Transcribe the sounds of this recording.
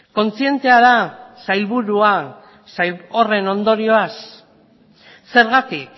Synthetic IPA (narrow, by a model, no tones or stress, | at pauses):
ko̞nt͡sie̞nt̪e̞aðasajlβuɾua | sajlo̞re̞no̞nd̪o̞ɾio̞as | se̞ɾɣat̪ik̚